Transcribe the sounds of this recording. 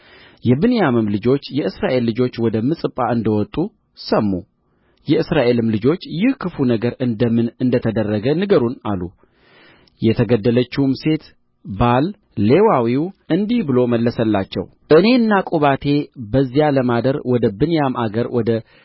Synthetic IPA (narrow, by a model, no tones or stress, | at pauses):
jɛbɨnjamɨmlɨd͡ʒo̞t͡ʃːjɛʔɨsɾaʔe̞lːɨd͡ʒo̞t͡ʃːwɔd̪əmɨsʼɨpʼːaɨnd̪əwɔt̪ʼu | səmːu | jɛɨsɾaʔe̞lɨmlɨd͡ʒo̞t͡ʃːjɪhkʰɨfunəɡəɾɨnd̪əmɨnɨnd̪ət̪ʰəd̪ərːəɡənɨɡəɾuna̰lṵ | jɛt̪ʰəɡəd̪ːələt͡ʃːumse̞t̪ | balː | e̞wawiwɨnd̪ihbɨlo̞məlːəsəlːat͡ʃːɛ̰w | ʔɨne̞ɨnːakʼuβat̪ʰe̞bəzːijaləmad̪əɾwɔd̪əbɨnjamʔaɡəɾwɔd̪ə